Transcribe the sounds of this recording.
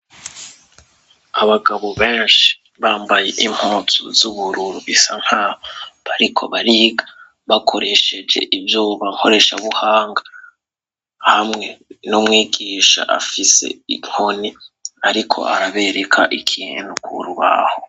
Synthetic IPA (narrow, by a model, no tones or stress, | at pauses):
aβaɡaβo̞βeːnʃi̥ | βaːmbajeʔim̥hoːtʰṵzuβuɾuɾuisan̥haːhoβaɾikʰo̞̰βaɾiɡa | βakʰo̞ɾe̞ʃe̞d͡ʒe̞̰ʔivjuːβaŋko̞ɾe̞ʃaβuhaːŋɡa | hamŋe̞nomŋiːɡiːʃa̰ʔa̰fise̞̰ḭŋ̥oniaɾikʰo̞̰a̰ɾaβe̞ɾekʰaʔikʰiḛnukʰṵɾuβa̰ho